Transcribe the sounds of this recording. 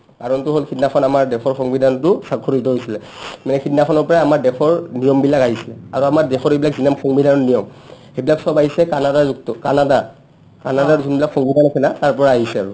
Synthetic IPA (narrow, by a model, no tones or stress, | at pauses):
kaɹɔntʊɦolkʰitnapʰɔnamaɹdɛkʰɔɹxɔŋbidʱantʊsakʰːɔɹit̬ɔɦojsilɛ | manɛkʰitnapʰɔnɔɹpɔɹaamaɹdɛkʰɔɹnijɔmbilakaɦisilɛa̰ɹuamaɹdɛxɔɹejbilak̚zinamxɔŋbidanɔnijɔm | xebilaksɔbaɦisɛkanadaɹzuk̚tɔkanada | kanadaɹzunbilakxɔŋbidʱanakʰɛnataɹpɔɹaːɦisɛaɹu